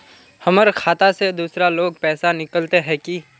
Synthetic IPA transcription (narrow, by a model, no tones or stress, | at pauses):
hɐməɾkʰaːt̪ased̪uːsɾaloːɡ̚pɛːsanɪkəlt̪eɦɛ̃ki